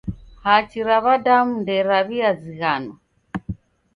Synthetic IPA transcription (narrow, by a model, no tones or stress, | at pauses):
hat͡ʃiɾaβadamundɛɾaβiaziɣanɔ